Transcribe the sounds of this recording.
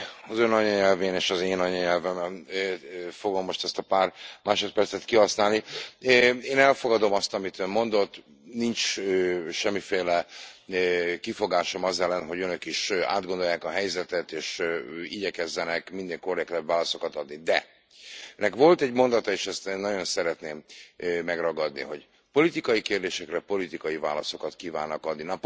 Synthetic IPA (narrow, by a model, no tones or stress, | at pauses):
ɒzønɒɲɒɲɛlveːneːʃɒzeːnɒɲɒɲɛlvɛmɛn | fo̞ɡo̞mːo̞ʃt̪ɛst̪ɒpaːrmaːʃo̞t̪̚pɛrt̪sɛt̪kiɦɒsnaːlniøeːnɛlfo̞ɡɒd̪o̞mɒst̪ɒmit̪ømmo̞nd̪o̞t̪ː | nint͡ʃøʃɛmːifeːlɛ | kifo̞ɡaːʃo̞mɒzɛlːɛnɦo̞ɟønøkiʃa̰ːd̪ɡo̞nd̪o̞jːaːkɒɦɛjzɛt̪ɛt̪eːʃiɟɛkɛzːɛnɛkmind̪eŋko̞rɛkt̪ɛbvaːlɒso̞kɒt̪ɒd̪nid̪ɛ | ɛnːɛkʋo̞lt̪ɛɟmo̞nd̪ɒt̪ɒeːʃɛst̪enːɒɟo̞nsɛɾɛt̪neːmːɛɡrɒɡɒd̪nḭɦo̞̰ɟ | po̞lit̪ikɒjikeːrd̪eːʃɛkrɛpo̞lit̪ikɒjiva̰ːlɒso̞kɒt̪kiːva̰ːnːɒkɒd̪ninɒp